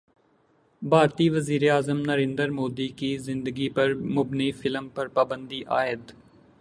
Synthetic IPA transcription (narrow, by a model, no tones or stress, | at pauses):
bʱaːɾt̪iʋəziːɾeaːzəmnəɾẽːnd̪əɾmoːd̪ikizɪ̃nd̪əɡipɐɾmʊbnefʰɪləmpɐɾpaːbə̃nd̪iʔaːɪd̪